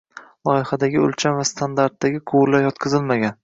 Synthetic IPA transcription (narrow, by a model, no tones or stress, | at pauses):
lˠɒɪfad̪aɡʲɪɵ̰lt͡ʃʰamvast̪ʰand̪aɾt̪ːaɡʲɪqʰʊwɾlaɾjɒt̪kʰɨzɪlmaɡʲan